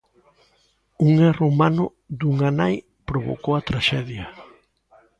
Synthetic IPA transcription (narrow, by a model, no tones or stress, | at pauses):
uŋɛromanʊ | d̪uŋanaj | pɾoβo̰kowɐt̪ɾaʃɛðjɐ